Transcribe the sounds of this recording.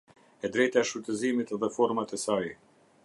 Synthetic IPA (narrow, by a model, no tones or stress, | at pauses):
ɛd̪ɾɛjt̪aɛʃut̪əzimit̪ɛðɛfɔɾmat̪ɛsaj